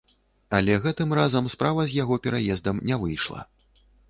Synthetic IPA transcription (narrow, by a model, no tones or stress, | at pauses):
alʲɛɣɛt̪ɨmrazɐmspɾavɐzʲjaɣɔpʲɛɾajɛzd̪ɐmnʲɛvɨjʂlˠɐ̰